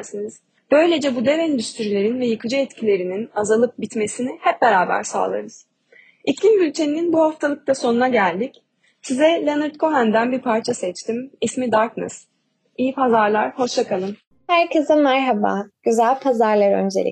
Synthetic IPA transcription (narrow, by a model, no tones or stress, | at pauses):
siniz̥ | b̥ø̞jlʲe̞d͡ʒɛbud̪evɛnd̪yst̪ʰyɾilʲeɾinvɛjɯkʰɯd͡ʒaɛt̪cʰilʲe̞ɾininazalˠɯp̚bit̪me̞sinihɛp̚be̞ɾaːbæ̰ɾsa̰ːlˠɯ̰ɾɯz̥ | icʰlʲimbylʲcʰe̞nininbuhaft̪ʰalˠɯk̚t̪aso̞nunaɟælʲd̪ic | sizɛlʲanɯɾt̪kʰo̞ɦænd̪ænbiɾpʰaɾt͡ʃʰasɛt͡ʃt̪ʰimismid̪aɾknɯ̰s | ijipʰazaɾlˠaɾho̞ʃt͡ʃakalˠɯm | hæɾkʰɯzɯmæɾɦaba̰ɟ̥yzælʲpʰazaɾlˠaɾø̰nd͡ʒeɾʲḭ